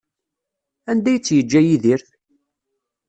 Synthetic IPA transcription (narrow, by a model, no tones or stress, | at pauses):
ænd̪æjt͡sːjəd͡ʒːæjiðiɾθ